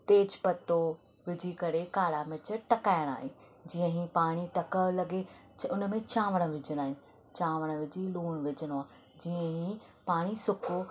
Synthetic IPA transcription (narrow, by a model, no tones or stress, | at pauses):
t̪eːd͡ʑpɐt̪o | ʋɪd͡ʑʱikɐɾekaːɽamɪt͡ɕəʈɐkaːɪəɽ̃a̰ːɦi | d͡ʑiːə̃ɦĩpaːɽ̃iʈɐkəlɐɡe | ʊn̆mẽt͡ɕaːʋəɽ̃ə̆ʋɪd͡ʑʱəɽaːɦɪn | t͡ɕaːʋəɽ̃ə̆ʋɪd͡ʑʱiluːɽ̃ʋɪd͡ʑʱəɽ̃oaː | d͡ʑiːə̃ɦĩpaːɽ̃isʊko